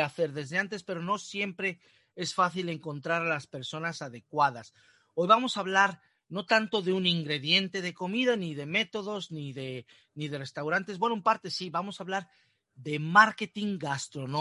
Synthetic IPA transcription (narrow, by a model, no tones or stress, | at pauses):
aθe̞ɾðe̞zðe̞ant̪e̞spe̞ɾo̞no̞sje̞mpɾe̞ | e̞sfaθile̞ŋko̞nt̪ɾaɾalaspe̞ɾso̞nasaðe̞kwað̞as | o̞jβamo̞saβlaɾ | no̞t̪ant̪o̞ðeuniŋɡɾe̞ðje̞nt̪e̞ð̞e̞ko̞miðaniðe̞me̞t̪o̞ð̞o̞zniðe̞ | niðe̞re̞st̪awɾant̪e̞zbwe̞noumpaɾt̪e̞siβamo̞saβlaɾ | ðe̞maɾke̞t̪iŋɡast̪ɾo̞no